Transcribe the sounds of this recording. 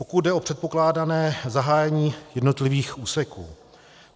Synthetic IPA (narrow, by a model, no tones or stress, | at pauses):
po̞kud̪̚dɛo̞pr̝̥ɛt̪̚po̞klaːdanɛːzaɦaːjɛɲiːjɛdno̞t̪lɪviːxʔuːsɛkṵː